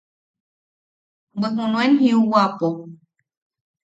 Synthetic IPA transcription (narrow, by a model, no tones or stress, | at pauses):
bɨɦũnũenɦiuwapo